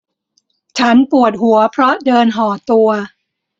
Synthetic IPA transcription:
t͡ɕʰa˦˥npu˨˩ət̪̚ɦu˩˦ɐpʰɾɔ˦˥dɤː˧nɦɔː˩˦t̪u˧ɐ

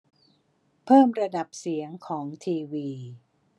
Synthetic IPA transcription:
pʰɤː˥˩mɾa˧da˨˩p̚si˩˦əŋkʰɔː˩˦ŋt̪ʰiː˧wiː˧

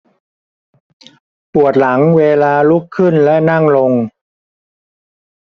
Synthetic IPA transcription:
pu˨˩ət̪̚la˩˦ŋweː˧laː˧lu˦˥kʰːɯ˥˩nlɛ˦˥na˥˩ŋlo˧ŋ

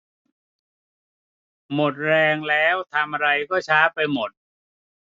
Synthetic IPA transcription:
mo˨˩t̪̚ɾɛː˧ŋlɛː˦˥wt̪ʰa˧mʔa˧ɾa˧jkɔː˥˩t͡ɕʰaː˦˥pa˧jmo˨˩t̪̚

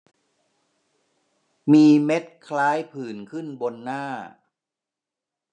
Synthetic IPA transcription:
miː˧me˦˥t̪̚kʰlaː˦˥jpʰɯː˨˩nkʰɯ˥˩nbo˧nːaː˥˩

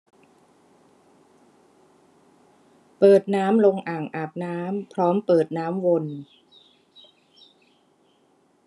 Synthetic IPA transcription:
pɤː˨˩t̪̚naː˦˥mlo˧ŋʔaː˨˩ŋʔaː˨˩p̚naː˦˥mpʰɾɔː˦˥mpɤː˨˩t̪̚naː˦˥mwo˧n

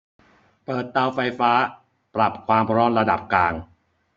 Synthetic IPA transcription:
pɤː˨˩t̪̚ːa˧wfa˧jfaː˦˥ | pɾa˨˩p̚kʰwaː˧mpʰɾɔː˦˥nɾa˧da̰˨˩p̚klaː˧ŋ

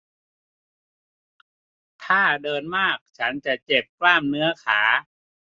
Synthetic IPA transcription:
t̪ʰaː˥˩dɤː˧nmaː˥˩k̚t͡ɕʰa˦˥nt͡ɕa˨˩ʔt͡ɕe˨˩p̚klaː˥˩mnɯ˦˥ɐkʰaː˩˦

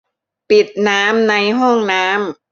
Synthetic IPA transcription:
pi˨˩t̪̚naː˦˥mna˧jɦɔ˥˩ŋnaː˦˥m

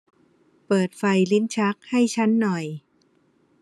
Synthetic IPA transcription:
pɤː˨˩t̪̚fa˧jli˦˥nt͡ɕʰa˦˥k̚ha˥˩jt͡ɕʰa˦˥nːɔ˨˩j

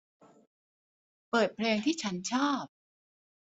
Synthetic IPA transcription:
pɤː˨˩t̪̚pʰleː˧ŋt̪ʰiː˥˩t͡ɕʰa˦˥nt͡ɕʰaː˥˩p̚

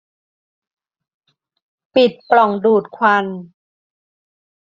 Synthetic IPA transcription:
pi˨˩t̪̚plɔ˨˩ŋduː˨˩t̪̚kʰwa˧n

